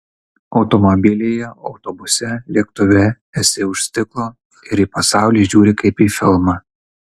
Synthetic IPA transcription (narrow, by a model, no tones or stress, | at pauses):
ɒʊt̪ɔmɔbʲɪlʲeːjɛɒʊt̪ɔbʊsʲɛlʲiɛkt̪ʊʋʲɛ | ɛsʲɪʊʃʲsʲt̪ʲɪklˠoː | ɪɾiːpɐsɑˑʊlʲiːʒʲuːɾʲɪkɐɪpiːfʲɪlˠmɑ